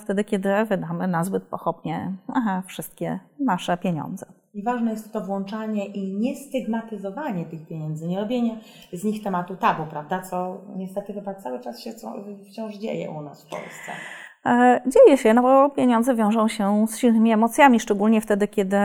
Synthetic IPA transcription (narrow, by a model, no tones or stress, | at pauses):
ft̪ɛd̪ɘkʲɛd̪ɘvɘd̪amɘnazbɘt̪̚pɔxɔbɲɛaafʂɘst̪̚kʲɛnaʂɛpʲjeɲɔ̰̃nd̪zɛ | ɲɛvaʐnɛjɛst̪ːɔvwɔnt͡ʂaɲɛʔiɲɛst̪ɘɡmat̪ɘzɔvaɲɛt̪ɘxpʲjeɲɛnd̪zɘɲɛɾɔbʲjeɲɛ | zɲixt̪ɛmat̪ut̪abupɾavd̪at̪sɔɲɛst̪ɛt̪ɘxɘbat̪sawɘt͡ʂasɕɛt̪sɔ̰ft͡ɕɔ̃w̃ʐd͡ʑḛjɛ̰ʔunasfpɔ̰lst̪sɛ̰ | d͡ʑejɛɕɛnɔbɔpʲjeɲɔ̃nd̪zɛvʲjɔ̃w̃ʐɔ̃w̃ɕɛsɕilnɘmʲiɛmɔt̪sʲjamʲiʂt͡ʂɛɡulɲɛft̪ɛd̪ɘkʲɛd̪ɘ